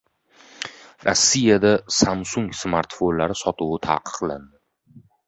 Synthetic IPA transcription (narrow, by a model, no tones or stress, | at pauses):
ɾa̰sːijad̪asamsʊŋsmaɾt̪fonlaɾɪsɒt̪ʰʊwɪt̪ʰa̰ːqʰɨ̥qland̪ɪ